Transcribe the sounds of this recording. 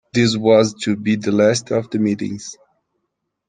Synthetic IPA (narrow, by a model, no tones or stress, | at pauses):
ðɪs̬wʌztʰɨbiðəlæstʌvd̪əmiɾɪ̰̃ŋz̥